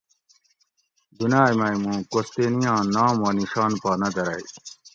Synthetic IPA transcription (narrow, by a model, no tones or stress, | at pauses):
d̪unaːjmajmũːkost̪eːnijãːnaːmwɐniɕaːnpaːnɐd̪ɐɾaj